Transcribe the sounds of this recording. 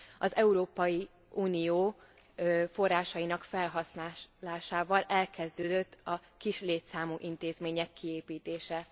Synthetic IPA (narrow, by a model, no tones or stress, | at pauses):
ɒzɛuɾoːpɒji | uːnijoː | fo̞rːaːʃɒjinɒkfɛlɦɒsnaːlaːʃaːvɒlɛlkɛzd̪øːd̪øt̪ːɒkiʃleːt̪saːmuːʔint̪eːzmeːɲɛkːieːpiːt̪eːʃɛ